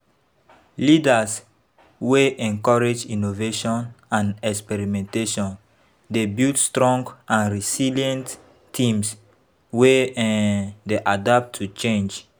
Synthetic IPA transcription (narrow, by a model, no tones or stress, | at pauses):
lidas | weʔɛ̃ŋkɔɹed͡ʒinoveʃɔ̃nãnɛkspɛɹimɛ̃nteʃɔ̃n | debiltstɹɔ̃ŋɡãnɹisilijɛ̃ntːʰ | ĩms | we | deʔadap̚tʰːut͡ʃẽnd͡ʒ